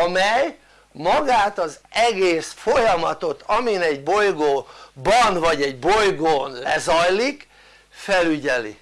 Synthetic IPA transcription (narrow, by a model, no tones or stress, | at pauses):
ɒmɛj | mɒɡaːt̪ɒzɛɡeːsfojɒmɒt̪o̞t̪ʰɒminɛɟbo̞jɡoːbɒnvɒɟɛɟbo̞jɡoːnlɛ̰zɒjlik | fɛlyɟɛlḭ